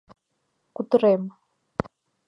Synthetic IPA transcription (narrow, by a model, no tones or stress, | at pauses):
kut̪ʰɨrem